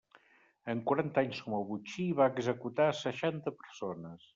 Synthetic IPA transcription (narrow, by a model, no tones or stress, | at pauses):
əŋkuɾant̪aɲskɔməlˠβut͡ʃiβaəɡzəkut̪asəʃant̪əpəɾsonəs